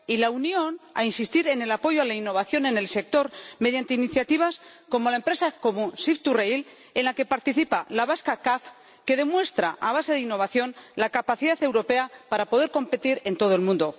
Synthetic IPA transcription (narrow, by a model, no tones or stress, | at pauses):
ilaunjo̞na̰insist̪iɾe̞ne̞lapo̞ʝoalainːo̞β̞aθjo̞nẽ̞ne̞lse̞k̚t̪o̞ɾme̞ðjant̪einiθjat̪iβ̞as | ko̞mo̞lae̞mpɾe̞sako̞musift̪urejl | e̞nlake̞paɾt̪iθipalaβaskakaf | ke̞ðe̞mwe̞st̪ɾaʔaβ̞ase̞ðeinːo̞β̞aθjo̞nlakapaθiðaθe̞wɾo̞pe̞apaɾapo̞ðeɾko̞mpe̞t̪iɾe̞nt̪o̞ð̞oe̞lmũnd̪o